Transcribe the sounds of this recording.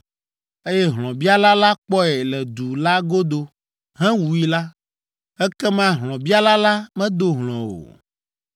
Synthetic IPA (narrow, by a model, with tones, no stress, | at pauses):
e˦jɛ˦ɦlɔ̃˨bi˦a˦la˦la˦k͡pɔ˦ɛ˨lɛ˨d̪u˨la˦ɡo˦d̪o˨ | ɦɛ̃˦wu˨ji˦la˦ | ɛ˦kɛ˦mã˦ɦlɔ̃˨bi˦a˦la˦la˦mɛ̃˦d̪o˦ɦlɔ̃˨o̰˨